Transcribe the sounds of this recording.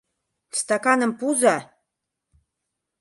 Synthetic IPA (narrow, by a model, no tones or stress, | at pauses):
st̪akɑnə̆mpuza